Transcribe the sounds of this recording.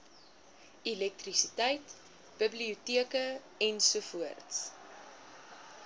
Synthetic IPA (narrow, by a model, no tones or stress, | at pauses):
ilɛk̚trisitəjt | b̥əbliutiəkə | ɛnsufuərts